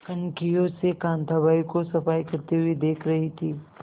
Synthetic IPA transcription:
kɐnkijõsekãːnt̪abaːikosɐfaːikɐɾt̪iɦuid̪eːkʰɾɐɦit̪ʰiː

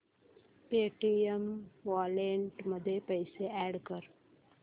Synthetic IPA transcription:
peʈiəmʋaːleɳʈməd̪ʱːjepəɪseɛːɽkəɾ

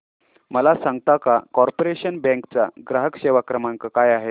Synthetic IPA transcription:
məlasãŋɡt̪akakɔɾpoɾeɕənbɛ̃ŋkt͡sa̰ɡɾaɦəkɕeʋakɾəmaŋkəkajaɦe

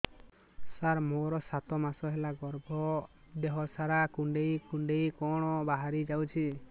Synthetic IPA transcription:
saɾmoɾɔsat̪ɔmasɔɦɛlaɡɔɾbʱɔ | d̪eɦɔsaɾakuɳɖejkuɳɖejkɔɽ̃ɔbaɦaɾid͡ʒawt͡ʃʰi

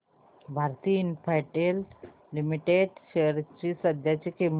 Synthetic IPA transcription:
bʱaɾt̪iːnpʰajʈelː | imiʈeɖɕeɾt͡ɕisəd̪ʱjat͡ɕikem

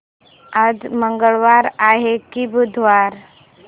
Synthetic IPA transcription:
ad͡zməŋɡəɭʋaɾaɦekibud̪ʱʋaɾ

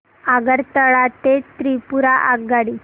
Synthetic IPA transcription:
aɡəɾt̪əɭat̪et̪ɾipuɾaʔaɡaɽi

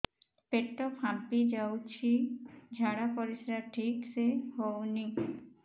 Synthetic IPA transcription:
peʈːɔpʰãpid͡ʒawt͡ʃʰid͡ʒʱaɽapɔɾisɾaʈʰikseɦowni

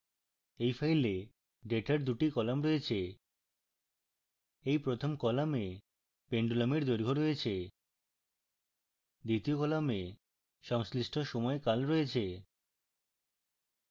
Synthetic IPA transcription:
ejfʰajle | ɖeʈaɾd̪uʈikɔlamɾɔet͡ɕʰe | ejpɾot̪ʰomkɔlame | peɳɖulameɾd̪oɾɡʱoɾoet͡ɕʰe | d̪it̪iokɔlame | ʃɔŋsliʃʈʰoʃɔmɔekalɾɔet͡ɕʰe

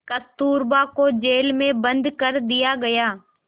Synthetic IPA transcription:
kɐst̪uːɾbaːkod͡ʒeːlmẽbə̃nd̪kəɾd̪ɪjaɡɐjaː

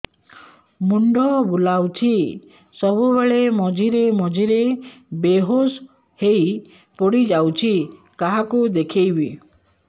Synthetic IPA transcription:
muɳɖɔbulawt͡ʃʰi | sɔbubeɭemɔd͡ʒʱiɾemɔd͡ʒiɾebeɦos | hej | pɔɽid͡ʒawt͡ʃʰi | kaɦakud̪ekʰejbi

